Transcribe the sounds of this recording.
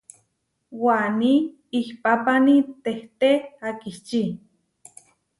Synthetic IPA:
wani | ihpapanit̪eht̪eakiht͡ʃi

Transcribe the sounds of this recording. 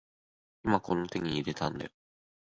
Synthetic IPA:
imako̞no̞t̪e̞ɲ̟ʲiːɾe̞t̪ãnd̪a̰jo

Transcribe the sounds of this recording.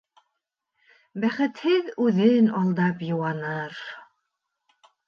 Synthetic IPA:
bæχɘ̆t̪hɘðʉðɘnɑlˠd̪ɑpjŏwɑnɤɾ

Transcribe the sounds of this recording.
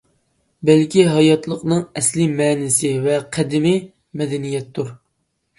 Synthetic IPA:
bɛlkʲiɦɑjɑt̪lˠəqnɨŋɛslɪmɛːnɪsɪvɛqʰæd̪ɪmɪ | mɛd̪ɛnijɛt̪ʰːuɾ

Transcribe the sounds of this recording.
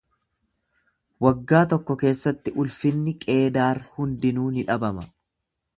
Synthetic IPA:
wɐɡːaːt̪ɔkːɔke̞ːsːɐt̪ːɪʔʊlfɪnːɪkʼe̞ːd̪aːɾhʊnd̪ɪnuːnɪᶑɐbɐmɐ

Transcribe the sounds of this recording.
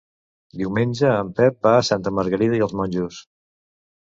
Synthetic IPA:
d̪iwmenʲd͡ʒəːmpɛpasant̪əməɾɣəɾiðəiəlˠzmɔnʲʒus

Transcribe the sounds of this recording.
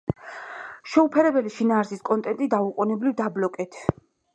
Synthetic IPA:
ʃɛupʰɛɾɛbɛliʃinaːɾsiskʼɔnt̪ʼɛnt̪ʼid̪auqʼunɛblivd̪ablɔkʼɛt̪ʰ

